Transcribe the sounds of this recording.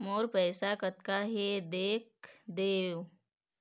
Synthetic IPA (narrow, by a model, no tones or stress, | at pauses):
moːɾpɛːsakət̪kaɦed̪eːk̚d̪eːw